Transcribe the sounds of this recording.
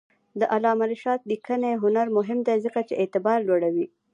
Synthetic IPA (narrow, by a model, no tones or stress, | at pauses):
d̪əʔalɑmaɾɪʃɑt̪̚likəneɦʊnaɾmʊɦɪmd̪azəkat͡ʃeʔet̪ɪbɑɾlwoɽawi